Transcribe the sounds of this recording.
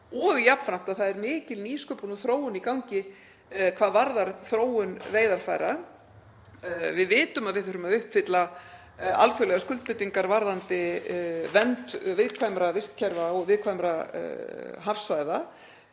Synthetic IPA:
ɔɣjapnfɾam̥t̪aðθaðɛɾmɪːcɪlniːskœːpɔnɔθɾoːwʏnikawɲcɪ | kʰv̥aːðvaɾðaɾ̥θɾoːwʏnveːjðaɾ̥fa̰jɾa | vɪðvɪːt̪ʏmaðvɪðθʏɾʏmaðʏhpfɪt̪la | a̰lfjœlɛɣaskʏlt̪̚pɪt̪iŋkaɾvaɾðant̪ɪvɛnt̪vɪðkʰvajmɾavɪst̪cʰɛɾvaɔɣvɪðkʰvajmɾa | ɦafsvaːjða

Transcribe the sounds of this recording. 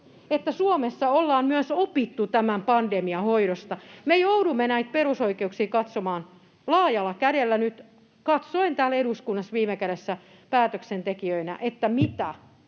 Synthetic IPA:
et̪ːæsuomesːɑolːɑːmmyøsopit̪ːut̪æmæmpɑndemiɑhoiɾost̪ɑmejoudumːenæit̪̚perusoikeuksiːkɑt̪somɑːn | lɑːjɑlːɑkæɾelːænyt̪ | kɑt̪soint̪æːleɾuskunːɑsʋiːmekæɾesːæ | pæːt̪øksent̪ekiøinæ̰ʔet̪ːæmit̪æ

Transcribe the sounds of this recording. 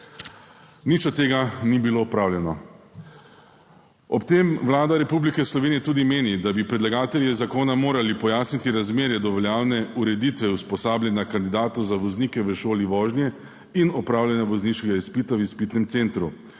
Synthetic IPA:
nit͡ʃɔt̪ːeːɡanibilopɾaːwlʲjɛnɔ | ɔpt̪emʋlaːd̪aɾɛpublikɛslɔʋeːnijɛt̪uːd̪imeːnid̪abipɾɛd̪laɡaːt̪ɛljɛzakoːnamoːɾalipɔjaːsnit̪iɾazmeːɾjɛd̪ɔʋɔljaːwnɛuɾɛd̪it̪ʋɛuspɔsaːbljɛnakand̪id̪aːt̪ɔzaʋɔzniːkɛʋəʃoːliʋɔːʒnjɛ | inɔpɾaːwlʲjɛnaʋɔzniʃkɛɡaispiːt̪awispiːt̪nɛmt̪sent̪ɾu

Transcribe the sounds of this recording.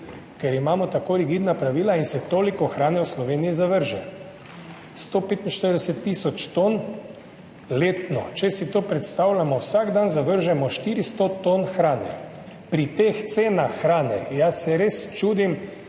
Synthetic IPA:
kɛɾimaːmɔt̪akoːɾiɡiːd̪napɾaʋiːlainsɛt̪oːlikɔxɾaːnɛwslɔʋeːnijizaʋəɾʒɛ | st̪opeːt̪inʃt̪əɾd̪ɛsɛt̪ːiːsɔt͡ʃt̪on | leːt̪nɔt͡ʃɛsit̪oːpɾɛt̪st̪awlʲamɔwsaɡd̪anzaʋəɾʒɛmɔʃt̪iɾist̪ot̪onxɾaːnɛ̰ | pɾit̪ext̪seːnaxːɾaːnɛ̰jasːɛɾest͡ʃuːd̪im

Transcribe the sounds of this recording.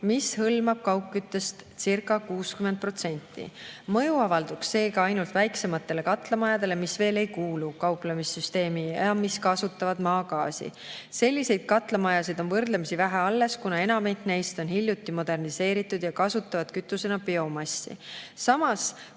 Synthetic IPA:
mishɤlmɑb̥̚kɑwkːyt̪ːe̞st̪sirkːˑɑkuːskyme̞nd̪̚pro̞t̪se̞nʲt̪ːˑḭmɤjuɑvɑld̪̥uksːe̞ːɡɑɑjnult̪væjkse̞mɑt̪ˑːe̞le̞kɑt̪lɑmɑjɑd̪̥e̞le̞misve̞ːle̞jkuːlukɑwplɑmisːyst̪e̞ːmiɑmiskɑsut̪ːˑɑvɑd̪̥mɑːkɑːsḭ | se̞lʲːise̞jd̪̥̚kɑt̪ˑlɑmɑjɑsid̪o̞nvɤrd̪lemisivæɦeɑlːe̞skunɑe̞nɑmejt̪næjst̪o̞nhilʲjut̪ːˑimo̞d̪̥e̞rnise̞ːɾit̪ːˑud̪̥jɑkɑsut̪ːˑɑvɑd̪̥kyt̪ːˑuse̞nɑpeo̞mɑsːḭsɑmɑs

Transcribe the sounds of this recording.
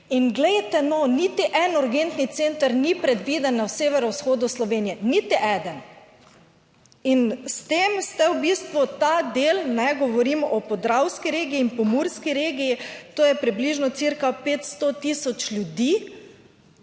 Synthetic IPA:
inɡlɛjt̪ɛnɔnit̪iʔɛnuɾɡent̪nit̪sent̪aɾnipɾɛd̪ʋid̪ɛnːawseːʋɛɾɔwsxoːd̪uslɔʋeːnijɛnit̪iʔɛd̪ən | inst̪emst̪ɛwbist̪ʋut̪ad̪elnɛɡɔʋɔɾimɔpɔd̪ɾawskiɾeːɡiːnpɔmuɾskiɾeːɡijit̪oːjɛpɾibliʒnɔt̪siɾkapeːt̪st̪ot̪isɔt͡ʃljud̪iː

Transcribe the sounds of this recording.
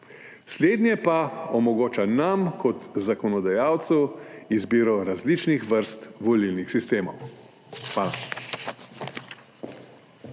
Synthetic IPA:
sleːd̪nʲjɛpaɔmɔɡoːt͡ʃanamkʰɔt̪zakɔnɔd̪ajaːwt̪suwizbiːɾɔɾazlit͡ʃnixʋəɾst̪ʋɔlilnixsist̪eːmɔw | xʋaːla

